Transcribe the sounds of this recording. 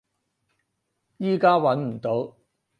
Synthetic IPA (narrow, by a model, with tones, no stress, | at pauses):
jiː˥kaː˥wɐ˨˧˥nm̩˨˩t̪o˨˥w